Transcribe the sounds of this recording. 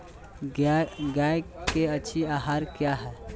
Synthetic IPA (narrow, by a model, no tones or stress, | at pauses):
ɡaekeətːt͡ʃʰiaːɦaːɾkjaɦɛː